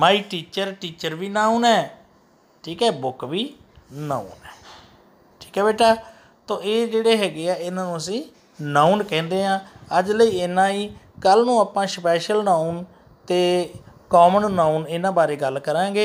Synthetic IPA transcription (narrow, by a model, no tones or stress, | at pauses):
maːiːʈiːt͡ʃəɾʈiːt͡ʃəɾʋiːnaːũːnɛː | ʈʰiːkɛːbʊkʋiː | na̰ːṵːnɛː | ʈʰi̥ːkɛːbeːʈaː | t̪õːeːd͡ʒeːɽeːɦɛːɡeːaːɪnãːnũːəsĩː | naːuːnkɛ̃ːnd̪eːɦãːəd͡ʒləiːɪnãːiː | kəlnũːaːpãːspɛːʃəlnaːun | t̪eːkɔːmənːaːunɪnãːbaːɾeːɡəlkəɾãːɡeː